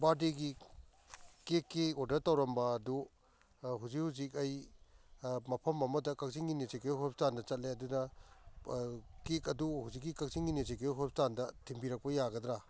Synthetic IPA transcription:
baɾdeɡi | kekːeodɐɾtɐwɾɐmbɐːdu | ɦuzikhuzikɐj | mɐpʰɐmɐmɐdɐkɐk̚ziŋɡinesekeɦɔp̚standɐt͡ʃɐt̚leɐdudɐ | kekɐduhuzik̬̚ːikɐk̚ziŋɡinesekeɦɔp̚standɐtʰimbiɾɐk̚pɐjaɡɐdɾa

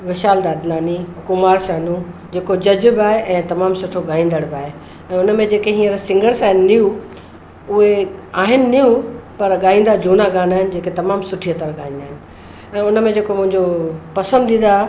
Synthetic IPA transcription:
ʋɪʃaːld̪aːd̪naːnikʊmaːɾʃaːnũd͡ʑeːkod͡ʑɐd͡ʑbɪaːɦeʔɛ̃ːt̪ɐmaːmsʊʈʰoɠaːɦĩːnd̪əɽbɪaːɦe | ɛ̃ːʊnmẽd͡ʑeːkeɦĩːə̃ɾsɪ̃ŋɡəɽsãːɦɪnɪnijũ | ʊɦeaːɦɪnɪ̆nijũpɐɾɠaːɦĩːnd̪ad͡ʑuːnaɡaːnaːɦɪnɪ̆d͡ʑeːket̪ɐmaːmsʊʈʰijət̪əɾɠaːɦĩnd̪aːɦɪnɪ̆ | ɛ̃ːʊnmẽd͡ʑeːkomʊ̃ɦɪ̃ɲd͡ʑopɐsə̃nd̪ʱĩːnd̪a

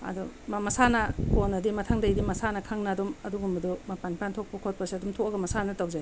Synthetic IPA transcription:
ɐ̰dumamɐsanɐponːɐdimɐtʰaŋdɐjdimɐsanɐkʰaŋnɐːdumɐduɡumɐdumɐpanipʰantʰok̚pɐkʰot̚pɐsiɐdumtʰoɐɡɐmɐsanɐtawzaj

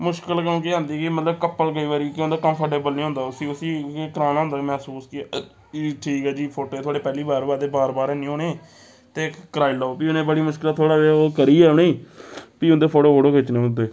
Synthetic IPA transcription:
mʊʃkəlkõːkeːɦãːnd̪iːkimət̪ləbkəpːəlkəiːʋaːɾiːkõːnd̪aːkəmpʰəɾʈeːbəlnĩːɦʊ̃nd̪aːʊsiːʊsiːekəɾaːnaːʊ̃nd̪aːmɛ̃ːsuːske | ʈʰiːkɛːd͡ʒiːpʰoːʈoːet̪ʰoaːɽeːpɛːliːbaːɾbaːɾd̪eːbaːɾbaːɾɛnĩːoːneː | t̪eːkəɾaːilaːoːpiːʊnẽːbəɽiːmʊʃkɪlat̪ʰoːɽaːeoːkəɾiːɛːʊñẽːpiːʊ̃nd̪eːpʰoːʈoːpʰoːʈoːkɪt͡ʃnẽːʊ̃nd̪eː

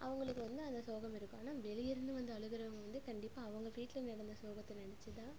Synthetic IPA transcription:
ʔɐʋɐŋɡɐɭɯkːɯʋɐnd̪ɯɐnd̪ɐsoːɣɐmɪɾɯkːõaːnaːʋɛɭɪjɪɾɯnd̪ɯʋɐnd̪ɯɐɭɯɣɪɾɐʋɐŋɡɐʋɐnd̪ɯkɐɳɖɪppːaːʋɐŋɡɐʋiːʈlɐnɛɽɐnd̪ɐsoːɣɐt̪ːɐnɪnɛt͡ʃːɯt̪ãː

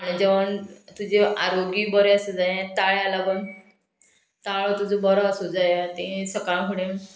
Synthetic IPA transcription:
aɽid͡ʑeʋənt̪ud͡ʑeaɾoɡiːbəɾeəsed͡zajãt̪aɭjalabən | t̪aɭot̪ud͡zobɔɾaəsud͡zajat̪ẽsəkaɭ̃kʰuɽẽ

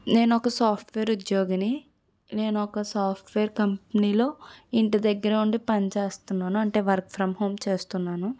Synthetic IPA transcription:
ne̞ːnuɔkɐsaːpʰʈʋeːɾud̪joːɡɐni | ne̞ːnuɔkɐsaːpʰʈʋeːɾkɐmpɐniːlo̞ːiɳʈid̪ɐɡːɐɾɐuɳɖipɐnit͡ʃe̞ːst̪unːaːnuɐɳʈe̞ːʋɐɾk̚pʰɾɐmɦo̞ːmt͡ʃe̞ːst̪unːaːnu

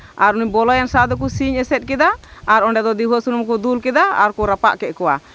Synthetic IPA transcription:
aɾuniɲbɔlɔjansad̪ɔk̬usiɲɛsɛt̪̚ˀkɛd̪aːɾɔɳɖɛd̪ɔd̪iɦɔsunumkud̪ulkɛd̪aa̰ɾkuɾapa̰ʔkɛʔ̚kɔwa̰

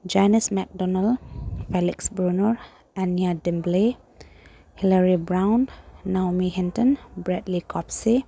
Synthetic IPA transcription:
d͡ʒanismɛk̚dɔnalfɛliksbɹunɔɹ | aniadimble | hilaɹibɾawnːawmiɦɛntɔnbɹɛdlikʰɔpsi

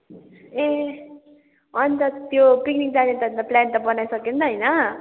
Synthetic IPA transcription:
ẽ | ʌnt̪ʌt̪jopiknik̚d͡zad̪ent̪ʌnt̪ʌplant̪ʌbʌnajsʌkint̪ʌɦʌjnʌ

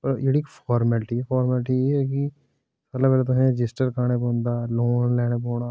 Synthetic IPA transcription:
pɐɾjeɽikfʰɔːɾməlʈifʰɔːɾməlʈijeɦɛk̬i | səlapɛːlat̪̬oɦɛ̃ɾɪd͡ʒɪsʈəɾkaːɽ̃epõːnd̪aːloːnlɛːɽepoːɽ̃aː

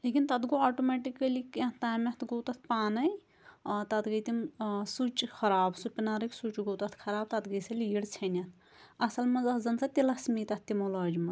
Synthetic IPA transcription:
lekint̪ɐt̪ɡoaʈomeʈikːɐlikɐ̃t̪aːmɐt̪ʰɡowt̪ɐt̪ʰpaːnɐj | t̪ɐt̪ɡɐjt̪imsut͡ʃkʰɐɾaːbsupʲinaːɾɐksut͡ʃɡowt̪ɐt̪ʰkʰɐɾaːb̚t̪ɐt̪ɡɐjsɐliɽt͡sʰɐnɐt̪ʰ | ɐsɐlmɐzɐtd͡zɐnsɐt̪ilɐsmit̪ɐt̪̚t̪ːimolɐːd͡ʒimɐ

